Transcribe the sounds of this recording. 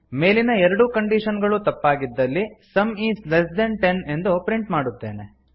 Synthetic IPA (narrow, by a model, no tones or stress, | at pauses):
me̞ːlinɐɛɾɐɽukɐɳɖiʃɐnɡɐɭut̪ɐpːaːɡid̪ːɐlːisɐmiːslesd̪enʈene̞nd̪upɾiɳʈmaːɽut̪ːe̞ːne